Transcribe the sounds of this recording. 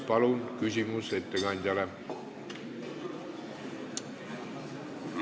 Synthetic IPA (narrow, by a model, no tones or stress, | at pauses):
pɑlunkysʲimuset̪ːeɡɑnʲd̪̥ʲɑle